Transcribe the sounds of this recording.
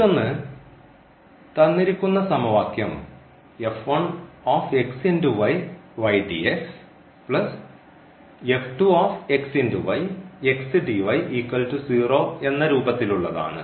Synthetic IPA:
onːɨ | t̪ɐnːiɾikʲːunːɐsɐmɐʋaːkjɐm | e̞fʋɐɳaːfe̞ksenduʋɐjʋɐjɖḭes | pɭɐs | e̞fʈuaːfe̞ksenduʋɐje̞ksɨɖiʋɐjiːkːɐlʈusiːroːe̞nːɐɾuːbɐt̪ːiluɭːɐða̰ːɳɨ̰

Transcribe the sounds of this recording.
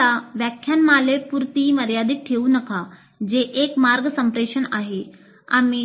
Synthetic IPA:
aʋjakʰːjanmalepuɾt̪iməɾjad̪iːk̚ʈʰːeunəka | d͡ʑeʔekmaɾɡsəmpɾeʂənaɦe | a̰mi

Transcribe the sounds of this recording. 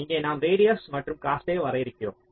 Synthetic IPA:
iŋɡenaːmreːɽijɐsmɐʈrumkaːsʈeːʋɐrɐjiɾikʲːuo̰ː

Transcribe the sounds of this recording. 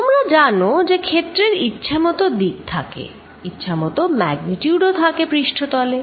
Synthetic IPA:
t̪omɾad͡ʑanod͡ʑekʰet̪ːɾeɾitːɕʰamɔt̪od̪ik̚t̪ʰakḛ | itːɕʰamɔt̪omɛɡniʈjuɖot̪ʰakepɾiʃʈʰot̪ɔle

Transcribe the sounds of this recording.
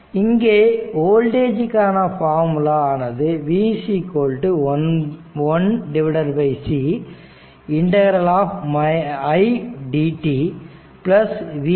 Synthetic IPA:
ɪŋɡeːoːlʈeːd͡ʒɪkːaːnɐfaːɾmʊlaaːnɐðɯʋiːsikoːlʈɯnʋɔnɖɪʋɪɽɐɾbɐɪsi | ɪɳɖɐɣɐɾɐlaːfmɐɐɪɖiːʈi | plɐsʋi

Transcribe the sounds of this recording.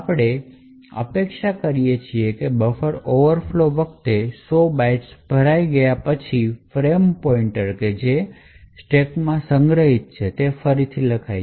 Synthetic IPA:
apɽ̃e | ə̰pekʃakəɾijet͡ʃʰiekebəfəɾoʋəɾfloʋək̚t̪esobajʈsbʱəɾaiɡəjapət͡ʃʰifɾempoiɳʈəɾked͡ʒe | sʈekmãsə̃ŋɡɾəɦit̪̚t͡ʃʰet̪efəɾit̪ʰiləkʰaj

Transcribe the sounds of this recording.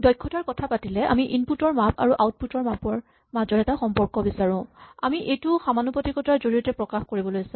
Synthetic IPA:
dɔjkʰːɔtaɹkɔtʰapatilɛʔa̰miʔinputɔɹmapa̰ɹuʔawt̚putɔɹmapɔɹ | mazɔɹɛtaxɔmpɔɹkɔbisaɹɔ̃a̰miʔejtuxamanupɔtikɔtaɹzoɹijɔtɛpɹɔkaxkoɹibɔlojsã

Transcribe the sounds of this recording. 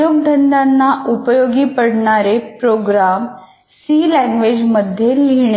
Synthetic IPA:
oɡd̪ʱənd̪anːaʔupəjoɡiːpəɽɳaɾepɾoɡɾam | siːlɛ̃ŋɡʋed͡ʑməd̪ʱːjeliɽ̃e

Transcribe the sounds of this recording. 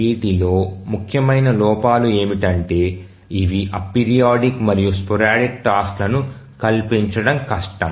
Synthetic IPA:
ʋiːʈilo̞ːmukʰjɐmɐjnɐlɔːpaːlue̞ːmiʈɐɳʈe̞ː | iʋiʔɐpiɾijaːɖikmɐɾijuspɔɾaːɖik̚ʈaːsklɐnu | kɐlpiɲt͡ʃɐɽɐmkɐʂʈɐm

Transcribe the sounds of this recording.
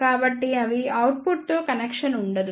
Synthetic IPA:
kaːbɐʈːiɐʋiɐwʈ̚puʈ̚t̪oːkɐnekʂɐnuɳɖɐd̪u

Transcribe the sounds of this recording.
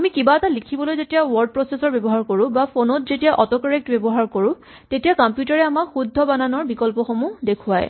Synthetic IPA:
amikibaɛtalikʰibɔlojzetijawɔɹd̚pɹɔsesɔɹbebɔɦaɹkoɹũbapʰonɔtzetijaʔɔtɔkɔɹɛk̚tbebɔɦaɹkoɹũ | tetijakɔmpjutaɹɛamakxudʱːɔbananɔɹbikɔlpɔxomudekʰʊa̰j

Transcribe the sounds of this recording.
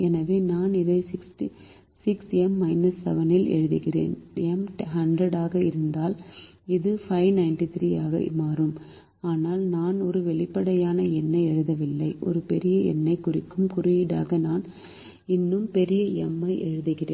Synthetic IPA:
ɛnɐʋeːnaːnɪðɐɪsɪksʈi | sɪksɛmːɐɪnɐsːɛʋɐnɪlɛ̰ɻɯðɯɣɪrḛːnɛmʈɦɐɳɖɾɐɽaːɣɐɪɾɯnd̪aːl | ɪðɯfɐɪʋnɐɪnʈit̪ɾiaːɣɐ̰maːrɯm | aːnaːlnaːnɔɾɯʋɛɭɪpːɐɽɐjaːnɐɛnːɐɪɛɻɯðɐʋɪlːɐɪʔɔ̰ɾɯpɛɾɪjɐɛ̰nːɐɪkːʊrɪkːɯmkʊrɪjɪɽa̰ːɣɐnaːn | ɪnːɯmpɛɾɪjɐɛmːɐɪʔɛɻɯðɯɣɪrḛːn

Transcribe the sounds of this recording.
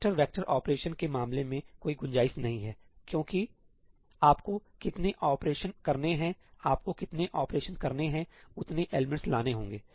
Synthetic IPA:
ʈəɾʋɛːk̚ʈəɾʔɔːpɾeːʃənkemaːmlemẽkoːiɡʊ̃ɲd͡ʒaːɪsnɐɦĩɦɛː | kjõːki | aːpkokɪt̪neʔɔːpɾeːʃənkɐɾneɦɛ̃aːp̚kokɪt̪neʔɔːpɾeːʃənkɐɾneɦɛ̃ʊt̪neʔeːlɪmɛ̃ɳʈslaːneɦõːŋɡeː

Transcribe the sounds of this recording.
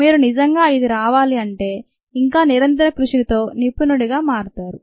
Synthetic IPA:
miːɾunid͡ʒɐŋɡaːjid̪iɾaːʋaːliɐɳʈe̞ː | iŋkaːniɾɐnt̪̬ɐɾɐkɾuʂinit̪o̞ːnipːunuɽiɡaːmaːɾut̪aːɾu

